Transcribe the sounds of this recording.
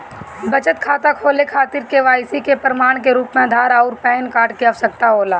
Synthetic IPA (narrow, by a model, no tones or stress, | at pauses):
bət͡ʃət̪kʰaːt̪akʰoːlekʰaːt̪ɪɾkeʋaːɪsikepɾəmaːɽ̃keɾuːpmẽəd̪ʱaːɾaːʊɾpɛːnkaːʈkiaʋsək̚t̪aɦoːlaː